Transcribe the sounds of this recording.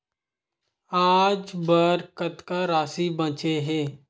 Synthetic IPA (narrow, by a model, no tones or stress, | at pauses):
aːd͡ʒbəɾkət̪kaɾaːsibə̃t͡ʃeɦɛ̃ː